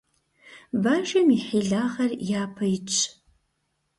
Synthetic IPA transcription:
baːʒɐmiħiːɮaːʁɐrjaːpʰɐjɪt͡ʃʰʼ

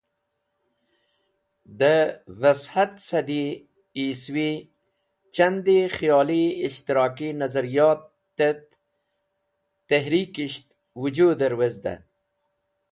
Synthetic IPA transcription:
d̪əvashat̪sad̪i | iswi | t͡ʃand̪ixjɑːliːʃt̪ɪɾɑːkinɐzaɾijɑːt̪ː | et̪ | eɦɾiːkiʃt̪ | wud͡ʒud̪aɾwezd̪a̰

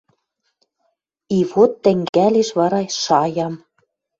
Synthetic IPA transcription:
iβot̪ːɘ̆ŋɡæleʃβɑɾɑʃɑjɑm

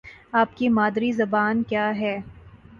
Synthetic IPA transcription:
aːp̚kimaːd̪ɾizɐbaːnkjaːɦɛː

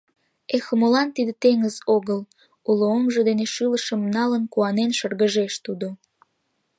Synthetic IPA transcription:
exəmolɑnt̪id̪et̪eŋəzoɣəl | uloomʒəd̪eneʃɨləʃəmnɑlənkuɑnenʃərɣəʒeʃt̪ud̪o

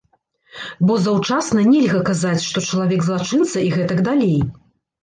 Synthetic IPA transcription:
bɔzɐwt͡ʂasn̪ɐnʲɛlʲɣɐkazat͡sʲʂt̪ɔt͡ʂɐlˠavʲɛɡzlˠat͡ʂɨnt̪sɐiɣɛt̪ɐɡd̪alʲej

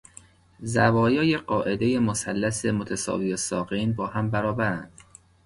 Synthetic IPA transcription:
zævɒːjɒːjeɢɒːʔe̞d̪e̞jemosælːæsemot̪ʰæsɒ̰ːviːesɒːɢinbɒːhæmbæɾɒːbæɾænd̪̥

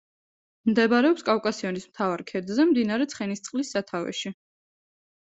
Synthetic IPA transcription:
md̪ɛbɾɛɔpskʼawkʼasiɔnismt̪ʰavaɾkʰɛɾd̪zɛmd̪inaɾɛt̪sʰχɛnist̪sʼqʼlisːat̪ʰavɛ̰ʃi

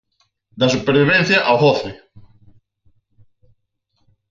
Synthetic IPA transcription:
d̪ɐsupeɾβiβ̞ɛn̟θjaʔawhɔθɪ

